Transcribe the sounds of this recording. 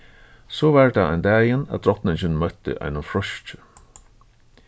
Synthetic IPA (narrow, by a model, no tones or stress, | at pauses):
sɔvaɹd̪aa̰jnd̪æːjɪnæ̰ðd̪ɾɔt̪nɪɲt͡ɕɪnmœt̪ɪ̰ʔa̰jnʊnfɾɔʃt͡ʃɪ̥